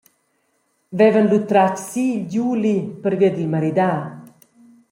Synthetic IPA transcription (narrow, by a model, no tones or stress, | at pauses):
vɛvənlut̪ɾat͡ʃsiɟulipəɾviəd̪ilmaɾid̪aː